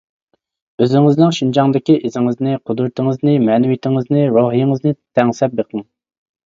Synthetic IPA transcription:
øzɪŋɪznɪŋʃynd͡ʒɑŋd̪ɪkʲiʔɪzɪŋɪznɪqʰʊd̪ɾt̪ʰɪŋɨznɪmɛnɪwit̪ʰɪŋɪznɪɾoɦijɪŋɨznɨt̪ʰɛŋsɛp̚beqʰəŋ

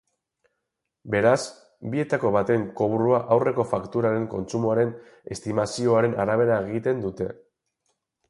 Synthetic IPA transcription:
be̞ɾas | bie̞t̪ako̞βat̪e̞ŋko̞βuɾuaʔawre̞ko̞fakt̪uɾaɾe̞ŋko̞̰nt͡sumoaɾe̞n | e̞st̪imasio̞aɾe̞naɾaβ̞e̞ɾae̞ɣ̞it̪e̞nd̪ut̪e̞

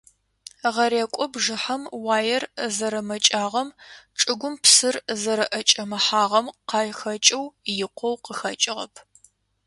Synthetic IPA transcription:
ʁɐɾeːkʷʼɔbʒɨħɐmwaːjɛrzɐɾɐmɐt͡ʃʼaːʁɐmʈ͡ʂʼɨɡʷʊmpsɨrzɐɾɐʔɐt͡ʃʼɐmɐħaːʁɐmqɑːjxɐt͡ʃʼɐwjɪqʷɔwqəxɐt͡ʃʼɪʁɐ̰pʰ

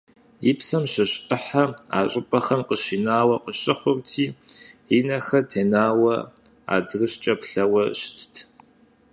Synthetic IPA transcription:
jipsɐmɕɐɕʔɨħaa̰ːɕʼɪpʼɐxɐmqəɕinaːwɐqəɕʼɪχʷʊrtʰiːinɐxɐtʰeːnaːwɐ | a̰ːdrɨɕt͡ʃʼɐpɬɐwɐɕtʰtʰ

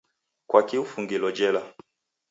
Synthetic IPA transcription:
kwakiufuŋɡilɔd͡ʒɛla

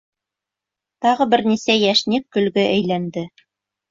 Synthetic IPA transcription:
t̪ɑʁɤbɘ̆ɾnisæjæʃnikːɵ̆lɡɘʔæ̆jlænd̪ɘ

